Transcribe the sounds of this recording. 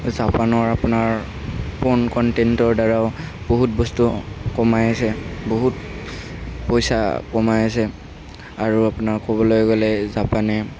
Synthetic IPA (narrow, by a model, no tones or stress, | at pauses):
zapanɔɹapunaɹ | pɔnkɔntɛntɔɹdaɹaʊ | boɦut̚bɔstukɔmajasɛboɦut | pojsakɔmajas̬ɛ | aɹuapunaɹkɔbɔlojɡɔlɛzapanɛ